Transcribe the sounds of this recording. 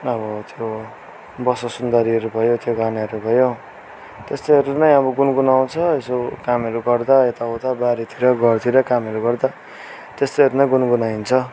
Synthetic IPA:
ʌβʌt̪jo | bʌsʌsund̪ʌɾiʌɾubʱʌjot̪ʰjoɡanaʌɾubʱʌjo | t̪est̪ojɦʌɾunʌjʌbʌɡunɡunaw̃t͡sʰʌesokamʌɾuɡʌrd̪aet̪aot̪abaɾit̪ʰiɾʌɡʱʌrt̪ʰiɾʌkamʌɾuɡʌrd̪a | t̪est̪ʌjɦʌɾunʌj̃ɡunɡunaint͡sʰʌ

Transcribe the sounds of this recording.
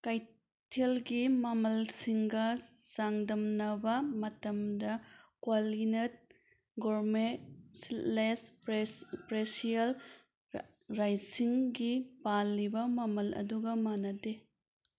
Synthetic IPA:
kaj | tʰelɡimɐmɐlsiŋɡɐz̥aŋdɐmnɐbɐmɐtɐmdɐkwolinet̚ | ɡoɾmeslesppɾesijɐl | ɾajtsiŋɡipalːibɐmɐmɐlɐ̰duɡɐmanɐde

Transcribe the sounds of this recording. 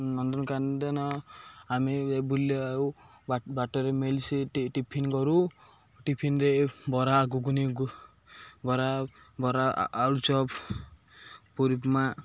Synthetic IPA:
nɔndɔnkand̪enɔamiebulːe | bbaʈɔɾemelsiʈʈipʰinkɔɾu | ʈipʰinɾebɔɾaɡuɡuniɡu | bɔɾa | bɔɾa̰ːlut͡ʃɔp | puɾipma

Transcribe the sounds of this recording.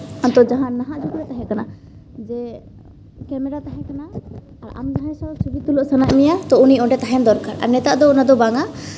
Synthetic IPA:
ɔnt̪ɔd͡ʒaɦãnaɦãʔd͡ʒʱukɾɛt̪aɦɛ̃kana | d͡ʒɛ | kɛmɛɾat̪aɦɛ̃kanaː | ɾa̰md͡ʒaɦɛ̃sɔsubit̪ulɔʔsənaʔmɛjat̪ɔuniɔ̃ʈɛt̪aɦɛnd̪ɔɾkaɾa̰ɾnɛt̪aʔd̪ɔunad̪ɔbaŋa

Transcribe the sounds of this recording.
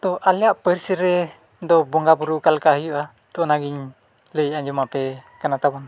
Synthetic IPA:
t̪ɔʔaljaʔpəɾsəɾɛ | d̪ɔbɔŋɡabuɾukalkaɦəjuʔa | t̪ɔnaɡiɲ | ləjaɲd͡ʒɔmapɛkanat̪abɔn

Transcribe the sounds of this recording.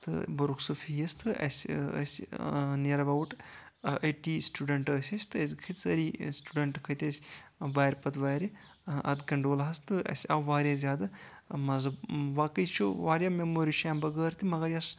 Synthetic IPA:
t̪ɨ̰bɐɾuksɨfʰijɐst̪ɨʔɐ̰sʲə̰sʲneɾɐbɐwuʈ | ɐʈiːsʈuːɖɐɳʈəːsʲɐsʲt̪ɨɐs̬ʲkʰit̪ʲsɐɾisʈuɖɐɳʈkʰɐt̪ʲɐsʲʋaːɾʲpɐt̪ʋaːɾi | ɐ̰d̪kɐɳɖoːlɦɐst̪ɨɐ̰sʲɐ̰ʋaːɾʲjaːzʲaːd̪ɨ | mɐzɐʋaːkəjt͡ʃʰuʋaːɾʲjaːmemoːɾiʃaːmbɐɡəːɾt̪imɐɡɐɾjas

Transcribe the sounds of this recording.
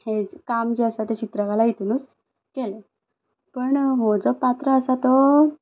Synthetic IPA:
hed͡zkamd͡ʑeəsat̪et͡ɕit̪ɾəkalait̪unuːs | kele | pəɳmɔd͡zɔpat̪ɾəəsat̪ɔ

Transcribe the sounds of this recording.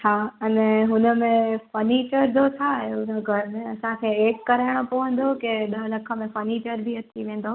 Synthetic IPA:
t͡ɕʰaːɐnɛɦʊnəmẽfɐniːt͡ɕəɾd͡ʑ̪ot̪ʰaɦeʊnəɡʱɐɾmẽɐsãkʰeːeːʈ̚kɐɾaːɪɽ̃opoʋə̃n̆d̪okeɗɐɦlɐkʰə̆mẽfɐɾniːt͡ʃəɾbʱiɐt̪ʰiʋẽːn̆d̪oː

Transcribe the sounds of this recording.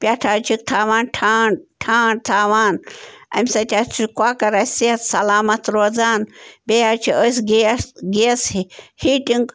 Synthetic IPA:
pʲjaʈʰaːt͡ʃʰikt̪ʰaːʋaːnʈʰaːnʈʰaːɳɖt̪ʰaːʋaːnɐ̰mʲsɐt̪ʲat͡ʃʰikwaːkɐɾɐsiɐt̪sɐlaːmɐt̪ɾoːzaːnbejaɾt͡ʃʰiəsɡeɡeshihiːʈiŋɡ

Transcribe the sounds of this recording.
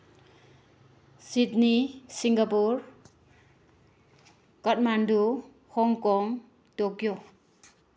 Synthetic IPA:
sitnisiŋɡapuɾ | kʌt̚mandu | hɔŋkɔŋ | tokjɔ

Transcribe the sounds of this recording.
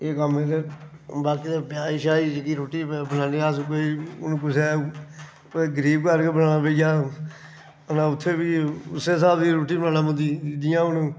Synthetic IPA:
eːkəmeːɾebaːkiːt̪eːpjaːiʃaːid͡ʒkiːɾoːʈiːbənaːniːaskoːiːʊnũːkʊsɛː | ɡəɾiːbkəɾkebənaːnaːpeːd͡ʒaː | ənaːʊt̪ʰːeːbiːʊseːsaːbd̪iːɾoːʈiːbənaːnãːməd̪iid̪ɪjãːʊnũː

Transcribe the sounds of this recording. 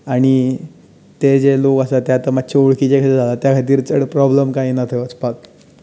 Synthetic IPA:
aɽ̃i | t̪ed͡zelokəsat̪jat̪əmat̪̚ːt͡ɕʰeuɭkit͡ɕekʰad͡zʱalat̪jakʰat̪̬iːɾt͡səɽpɾɔbləmkaɦiːnat̪ʰeʋət͡spak

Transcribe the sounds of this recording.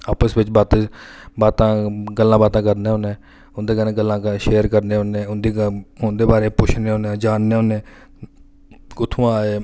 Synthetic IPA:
aːpəsʋɪt͡ʃbaːt̪ːbaːt̪ãːɡəlːãːbaːt̪ãːkəɾneːɦoːnẽː | ʊnd̪eːkənẽːɡəlːãːkʃeːɾkəɾneːɦoːnẽːʊnd̪iːʊnd̪eːbaːɾeːpʊt͡ʃʰneːɦõːnẽd͡ʒaːnːeːɦoːnẽː | kʊt̪ʰːũːaːeː

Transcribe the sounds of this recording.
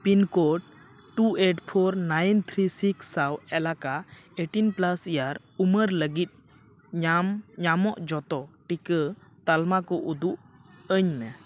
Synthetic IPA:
pinkɔʈ | ʈueʈpʰɔɾnajnt̪ʰɾisiksːawɛlakaeʈinplasijaɾ | uməɾləɡit̪̚ | ɲamɲamɔʔd͡ʒɔt̪ɔʈikət̪almakɔʔud̪uʔ | əɲmɛ

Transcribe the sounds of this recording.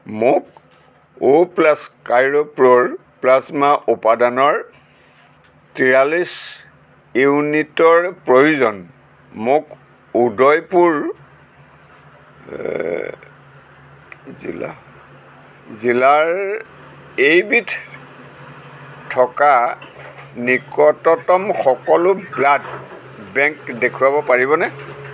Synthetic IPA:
mʊk̚ | oplaskajɹopɹoɹplasmaʔupadanɔɹ | tɹijalis | iwnitɔɹpɹojuzɔn | mʊk | udɔjpuɹ | zḭla̰ | zilaɹ | ejbitʰ | tʰɔka | nikɔtɔtɔmxɔkɔlʊblad | bɛŋkdekʰuwabɔpaɹibɔnɛ

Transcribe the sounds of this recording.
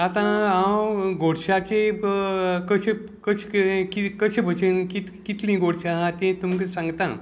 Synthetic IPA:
at̪ããwɡʱoɽɕat͡ɕe | kəɕẽ | kəɕkikəɕẽbʱəɕenkit̪kit̪lĩɡʱoɽɕãɦãt̪ẽt̪umkesãŋɡt̪ã̰

